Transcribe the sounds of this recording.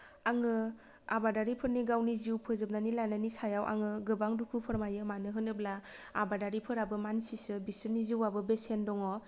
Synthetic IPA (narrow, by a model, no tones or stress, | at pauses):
aŋɯ | a̰badaɾipʰɯɾniɡawniziwpʰɯzɯp̚nanilananisajawʔa̰ŋɯɡɯbaŋdukʰupʰɯɾmajɯmanɯɦɯnɯblaabadaɾipʰɯɾabɯmansisɯbisɯniziwabɯbesendɔŋɔ